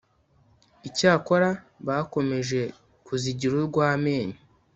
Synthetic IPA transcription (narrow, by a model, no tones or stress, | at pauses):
icaːko̞ɾa | βako̞me̞ʒe̞ | kuziɟiɾuɾɡwaːme̞ːɲe